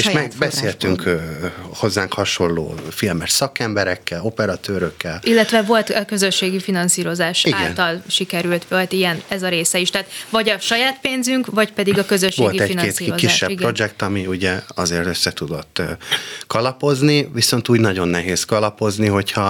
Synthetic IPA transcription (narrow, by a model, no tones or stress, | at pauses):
eːʃmɛɡbɛsseːlt̪yŋkː | ho̞zːaːŋkhɒʃo̞lːo̰ːfilmɛʃsɒkɛmbɛɾɛkːɛlo̞pɛɾɒt̪øːɾøkːɛlʔilːɛt̪ʋɛvo̞lt̪ɛkø̞zøʃːeːɡifinɒnsiːɾo̞zaːʃiaɡɛ̰nt̪ɒlʃikɛɾylt̪ʋolt̪ijɛnɛzɒɾeːsɛiʃt̪aːt̪ʋɒɟɒʃɒjaːt̪peːnzyŋkʋɒcpɛd̪iɡɒkø̞zøʃːʋoeːlɡit̪ɛineːtsiːozkiːʃːɛpiɡpro̞d͡ʒɛkt̪ɒmiuɟɛɒzeːrt̪øsːɛt̪ud̪o̞t̪ːkɒlɒpo̞zniʋiso̞nt̪uːɟnɒɟo̞nːɛɦeːskɒlɒpo̞zniɦo̞chɒ